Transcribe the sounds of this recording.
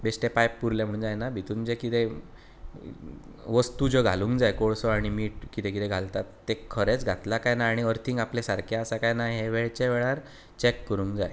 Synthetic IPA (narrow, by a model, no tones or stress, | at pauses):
besʈepajpːuɾljãm̤əɽ̃ɳd͡ʑajnabʱit̪und͡ʑekit̪e | ʋəst̪ud͡ʑoɡʱa̰lũŋkd͡zajkoɭsɔaɽ̃imiːʈ̚kit̪ẽkit̪eɡʱalt̪at̪ːekʰːəɾet͡sɡʱat̪lakajnaːɽ̃iəɾt̪ʰiːŋɡaplesaɾkʰaəsakajnajɦeʋeɭt͡ɕeʋɛɭaɾ | t͡ɕekːəɾuːŋkd͡za̰j